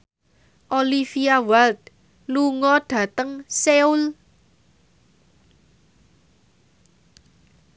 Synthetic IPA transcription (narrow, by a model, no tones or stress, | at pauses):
ʔolifiawalt̪̚ | luŋɔɖ̥ä̤t̪əŋseul